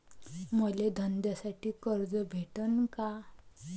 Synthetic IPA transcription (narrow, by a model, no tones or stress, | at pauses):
məled̪ʱənd̪jasaʈiːkəɾd͡zəbʱeʈənka